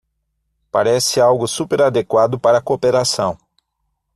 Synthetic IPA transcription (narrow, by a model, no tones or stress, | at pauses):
paɾɛsɪawɡʊsupeɾad̪ekwad̪ʊpaɾɐːkopeɾasɐ̃w̃